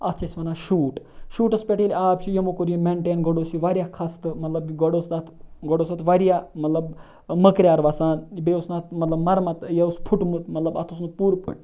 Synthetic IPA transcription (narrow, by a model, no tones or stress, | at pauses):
ɐt͡ʃʰɐsʲʋɐnaːʃuːʈ | ʃuːʈɐspʲeʈiːlʲaːpt͡ʃʰijɐmokoɾjemeɳʈeːnɡɔɽoːsiʋaɾjaːkʰɐst̪ɨmɐt̪lɐbɡɔɽoːsnɐt̪ʰɡɔɽoːsɐt̪ʰʋaɾijaːmɐt̪lɐb | məkɾjaːɾʋaːsaːnbeusnɐt̪mɐt̪lɐbmɐɾmɐt̪jɐuspʰuʈmut̪mɐt̪lɐbɐ̰t̪ʰusnɐpuːɾpʰṵʈ̚